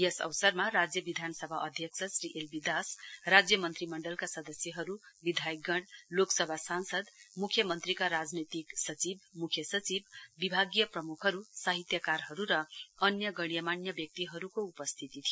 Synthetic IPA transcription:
jesʌ̰wsʌrmarad͡zjʌbid̪ʱanʌsʌbʱaʔʌd̪ʱjʌksʰʌsriʔelbid̪asrad͡zjʌmʌnt̪rimʌɳɖʌlkasʌd̪ʌsjʌɦʌɾubid̪ʱajkɡʌɽloksʌbʱasansʌd̪mukʰjʌmʌnt̪rikaɾad͡znet̪iksʌt͡sibmukʰjʌsʌt͡sibːibʱaɡjʌprʌmukʰɦʌɾusaɦit̪jʌkarɦʌɾuɾʌʌnjʌɡʌɽ̃ijʌmanjʌbjʌk̚t̪iɦʌɾukoupʌst̪ʰit̪it̪ʰijo

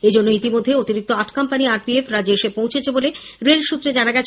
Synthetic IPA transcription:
ed͡ʑonːoit̪imod̪ʱːeot̪iɾik̚t̪oaʈkampaniaɾpiefɾad͡ʑeeʃepõw̃t͡ɕʰet͡ɕʰeboleɾelʃut̪ːɾed͡ʑanaɡɛt͡ɕʰ

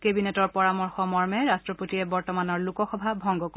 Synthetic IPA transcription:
kebinɛtɔɹpɔɹamɔɹxɔmɔɹmɛɹastɹɔpotiɛbɔɹtɔmanɔɹlukɔxɔbʱabʱɔŋɡɔk

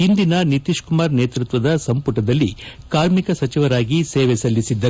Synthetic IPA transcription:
ind̪inɐnit̪iʃkumaːɾneːt̪ɾut̪ʋɐd̪ɐsɐmpuʈɐd̪ɐlːi | kaːɾmikɐsɐt͡ʃiʋɐɾaːɡiseːʋɛsɐlːisid̪ːɐ

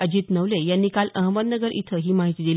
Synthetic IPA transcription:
əd͡ʑiːt̪nəʋlejanːiːkaləɦməd̪nəɡəɾʔḭt̪ʰəɦiːmaɦit̪iːd̪il

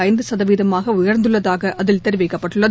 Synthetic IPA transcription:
ɐɪnd̪ɯsɐðɐʋiːðɐmaːɣɐʊjɐɾnd̪ɯɭːɐðaːɣɐʔʔɐðɪlt̪ɛɾɪʋɛɪkːɐpːɐʈːɯɭːɐ

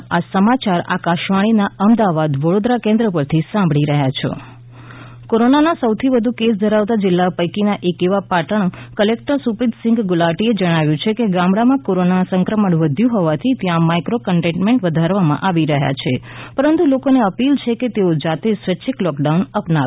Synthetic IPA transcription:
asəmat͡ʃaɾa̰kaʃʋaɽ̃inaəmd̪aʋad̪ʋəɽod̪ɾakẽnd̪ɾəpəɾt̪ʰisãmbʱɭiɾəɦja̰t͡ʃʰo̰ | koɾonanasəwt̪ʰiʋəd̪ʱukesd̪ʱəɾaʋt̪ad͡ʒɪlːapəjkinaʔekeʋapaʈəɳkəlek̚ʈəɾsupid̪sɪ̃ŋɡɡʊlaʈied͡ʒəɽ̃aʋjũt͡ʃʰekeɡãmɽamãkoɾonasə̃ŋkɾəməɳʋəd̪ʱjũɦɔʋat̪ʰit̪jãmaikɾokəɳʈẽɳʈmẽɳʈʋəd̪ʱaɾʋamã̰ʔaʋiɾəɦja̰t͡ʃʰepəɾənt̪ulokoneəpilt͡ʃʰeket̪eod͡ʒat̪esʋət͡ʃʰiklɔkɖaunəpnaʋ

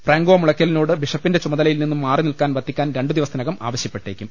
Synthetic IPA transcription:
freːŋɡoːmuɭɐkʲːɐlinoːɽɨbiʂɐpːinde̞t͡ɕumɐðɐlɐjilninːumːaːrinilkaːnʋɐt̪ʰːikʲːaːnɾe̞ɳɖɨd̪iʋɐsɐinɐɣɐma̰ːʋɐɕjɐpːe̞ʈːekʲːum

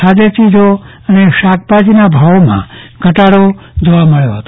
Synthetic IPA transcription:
sad͡ʒet͡ʃid͡ʒo | əneʃak̚pad͡ʒinabʱaʋmã̰ɡʱəʈaɽod͡ʒoʋaməɭjoɦət̪o

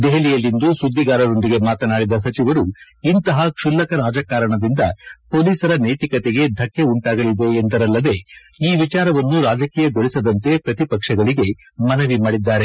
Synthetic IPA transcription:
d̪eɦɐlijɐlːind̪usud̪ːiɡaːɾɐd̪o̞nd̪iɡe̞maːt̪ɐnaːɽid̪ɐs̬ɐt͡ʃiʋɐɾu | int̪ɐɦɐkʂulːɐkɐɾaːd͡ʒɐkaːɾɐɳɐd̪ind̪ɐpo̞ːliːsɐɾɐneːt̪ikɐt̪eɡe̞d̪ʱɐkːe̞uɳʈaːɡɐlid̪e̞ːnd̪ɐɾɐlːɐd̪e̞ | iːʋit͡ʃaːɾɐʋɐnːuɾaːd͡ʒɐkiːjɐɡoɭisɐd̪ɐnt̪e̞pɾɐt̪ipɐkʂɐɡɐɭiɡe̞ | mɐnɐʋimaːɽid̪ːaːɾe

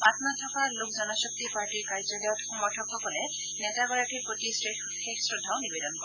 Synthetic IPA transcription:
patnatʰɔkalʊkʰzɔnɔsɔk̚tipaɹʈiɹkaɹzɔlijɔtxɔmɔɹtʰɔkxɔkɔlɛ | nɛtaɡɔɹakiɹpɹotisɹe | xexsɹʊdʱːawnibedɔnkɔ

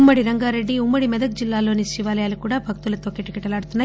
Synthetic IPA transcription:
mːɐɽiɾɐŋɡaːɾeɖːiumːɐɽimɛd̪ɐk̚d͡ʒilːaːlo̞ːniʃiʋaːlɐjaːlukuːɽaːbʱɐk̚t̪ulɐt̪o̞ːkeʈikɐʈɐlaːɽut̪unːaː

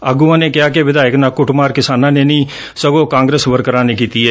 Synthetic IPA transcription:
əɡuːãːneːkɪaːk̬eʋɪd̪aːɪknãːkʊʈmaːɾkɪsaːnãːneːnĩː | səɡõːkãːŋɡɾeːsʋəɾkəɾãːneːkiːt̪iːɛː

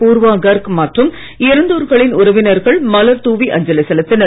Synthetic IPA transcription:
puːɾʋaːɡɐɾkmɐʈrɯm | ɪɾɯnd̪ɯɾɣɐɭɪnʊrɐʋɪnɐɾɣɐɭmɐlɐɾt̪uːʋiʔɐɲd͡ʒɐlɐsɛlɯt̪ːɪnɐ

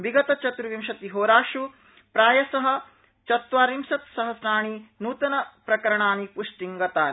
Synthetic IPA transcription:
ʋiɡɐt̪ɐt͡ʃɐt̪ɾuʋimʃɐt̪iɦoːɾaːʃu | pɾaːjɐsɐɦɐ̆ | t͡ʃɐt̪ʋaːɾimsɐt̪sɐɦɐsnaːɳ̃inuːt̪ɐnɐpɾɐkɐɾɐɳaːnipuʂʈiŋɡɐt̪aːn

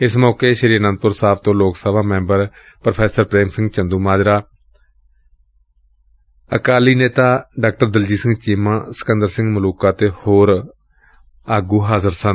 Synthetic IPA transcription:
ɪsmɔːkeːʃəɾiːɾənə̃nd̪̚pʊɾsaːpt̪õːloːksəbaːmɛ̃ːmbəɾ | pɾəpʰɛːsəɾpɾeːmsɪ̃ŋɡt͡ʃənd̪uːmaːd͡ʒɾaː | ə̰kaːliːneːt̪aːɖaːk̚ʈəɾd̪əld͡ʒiːsɪ̃ŋɡt͡ʃɪmãːsə̥kənd̪əɾsɪ̃ŋɡmʊluːkaːt̪eːhoːɾ | aːɡuːɦaːzəɾsən

